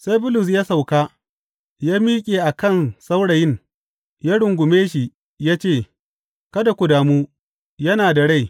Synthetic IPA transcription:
sa˦jbʊ˦lʊ˨s̬jaː˦sa˨wkaː˦ | jaː˦miː˦kʲʼeː˨ʔa˨kɐ˦˨nsa˦wɽa˨jɪ˦˨ŋ | jaː˦ɽʊ˨ŋɡʷʊ˨meː˦ʃi˨ | jaː˦t͡ʃeː˦˨ | kɐ˦da˨kʷʊ˨daː˨muː˦ | jɐ˦naː˨da˨ɽa˦˨j

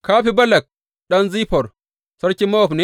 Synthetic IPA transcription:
kaː˦ɸi˦bɐ˦lɐ˨k̚ | ɗɐ˦nziː˦pɔ˨ɾ | sɐ˦ɾkʲi˦mɐ˦ɔ˨ɸne˦

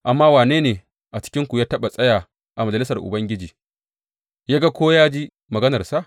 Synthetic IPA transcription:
ʔa˨mːaː˦waː˨neː˦neː˨ | ʔa˨t͡ʃɪ̥˦kʲɪ˦ŋkʷu˨jaː˦tɐ˦ɓa˨sʼɐ˦jaː˨ | ʔa˨mɐ˨d͡ʒɐ˨lɪ˦sɐ˨rʔʊ̰˨bɐ˦ŋɡʲɪ˦d͡ʒiː˨ | jaː˦ɡa˦kʷoː˦jaː˦d͡ʒiː˦ | mɐ˨ɡɐ˦nɐ˨rsa˦ʔ

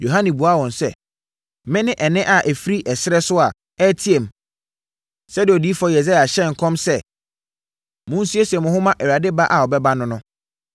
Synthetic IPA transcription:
jo˨ɦã˦nĩ˨bu˨a˦wɔ̃˨nsɛ˦˨ | mɪ̃˦nɪ̃˦ʔɛ˨nɪ̃˦ʔa˨ʔæ˨fi˦ɾi˦ʔɛ˨sɪ˦ɾɛ˦sʊ˦a˨ | ɛ˦tʰi˦e˨m | sɛ˦dɪ˨ɔ˨diː˦fɔ˦jɛ˨za˦˨a˨ɕɛ˦˨ŋ̩˨kʰɔ̃˦msɛ˦ | mʊ̃˦n̩˦su˦e˦sɛ˨mʊ̃˨ɦʊ̃˦mã˦ʔɛ˨wa˨dɪ˦ba˦ʔa˨ɔ˨bɛ˦ba˦nʊ̃˦nʊ̃˦

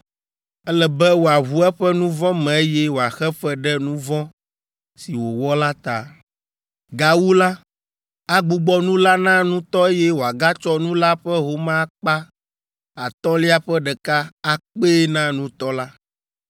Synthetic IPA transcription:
ɛ˦lɛ˨bɛ˦wo˨a˨ɦu˦ɛ˦ɸɛ˦nũ˦vɔ̃˦mɛ̃˨e˦jɛ˦wo˨a˨xɛ˦ɸɛ˦ɖɛ˦nũ˦vɔ̃˦ | si˨wo˨wɔ˦la˦t̪a̰˨ | ɡa˨wu˦la˦ | a˦ɡ͡bu˨ɡ͡bɔ˦nũ˦la˦nã˦nũ˦t̪ɔ˦e˦jɛ˦wo˨a˨ɡa˦t͡ʃɔ˦nũ˦la˦ɸɛ˦ɦo˨mã˦k͡pa˦ | a˨t̪ɔ̃˦li˦a˨ɸɛ˦ɖɛ˨ka˦a˦k͡pe˦nã˦nũ˦t̪ɔ˦la˦

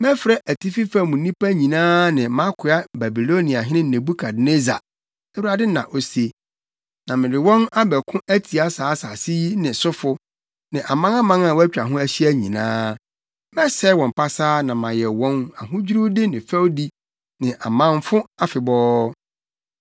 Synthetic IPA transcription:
mɛ̃˦fɾɛ˦ʔæ˨tʰi˦fi˦fa˦mũ˨˦nĩ˦pæ˦ɲĩ˨nãː˦nɪ̃˨mã˦kʰʊ˨a˦ba˨bi˨lo˦nĩ˨a˨ɦɪ̃˦nɪ̃˦n̩˨ẽ˨bu˦kʰa˨dne˦za̰˨ | æ˦wu˨ɾa˨dɪ˦nã̰˨ʔo˦se˦ | nã˨mɪ̃˨dɪ˨wɔ̃˦na˦bɛ˨kʰʊ̃˦ʔæ˦tʰi˨a˦saː˨˦sa˨si˦ji˦nɪ̃˨sʊ˦fʊ˦ | nɪ̃˨ʔa˨mã˦ã˦mã˦nã˨wæ˦t͡ɕᶣa˨ɦʊ̃˦æ˦ɕi˦æ˦ɲḭ̃˨nã̰ː˦ | mɛ̃˦sɛ˦wɔ̃˨m˨pa˦saː˦nã˨mã˨jɛ˨wɔ̃˦na˨ɦʊ̃˦d͡ʑᶣɾu˦dɪ˦nɪ̃˨fɛ˦wdi˦ | nɪ̃˨ʔa˨mã˦nfʊ̃˦a˨fɪ˨bɔː˦

